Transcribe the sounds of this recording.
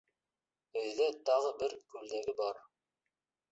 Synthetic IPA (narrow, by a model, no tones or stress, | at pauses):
ɵ̆jðæt̪ɑʁɤbɘɾkʉld̪æɡɘbɑɾ